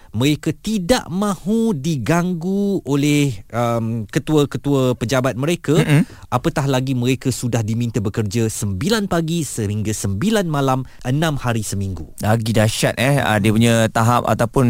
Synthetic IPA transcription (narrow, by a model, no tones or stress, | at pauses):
mə̃ɾekat̪ida̰ʔmãhudiɡaŋɡuolɛhəmkət̪uəkət̪uəpəd͡ʒabat̪̚mə̃ɾekəʔapət̪ahlaɡimə̃ɾekəsudahdimĩnt̪əbəkərd͡ʒasəmbilanpaɡisəɦiŋɡasəmbilanmãlamʔənãmhaɾisəmĩŋɡulaɡidaʃat̪̚ɛhə̰diəpuɲãt̪aɦap̚a̰t̪awpʊn